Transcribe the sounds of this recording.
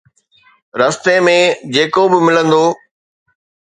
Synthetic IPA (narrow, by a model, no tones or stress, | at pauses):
ɾɐst̪emẽd͡ʑeːkobɪmɪlə̃nd̪oː